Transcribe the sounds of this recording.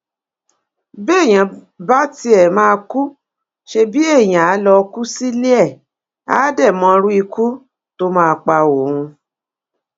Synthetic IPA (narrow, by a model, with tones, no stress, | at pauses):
be˦e˦˨j̃ã˨ | ba˦ti˧˦ɛ˨mãː˧ku˦ | ʃe˧bi˦e˦˨j̃ã˨a˨˦lɔ˧ku˦si˦li˦ɛ˦˨ | a̰ː˦dɛ˦˨mɔ̃˧˦˧ɾu˦i˧kʰu˦ | to˦mãː˦˧k͡pa˧wo˨ũ˧